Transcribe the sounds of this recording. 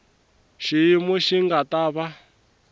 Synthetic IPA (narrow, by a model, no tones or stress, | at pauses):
ʃijimuʃiŋɡataːβa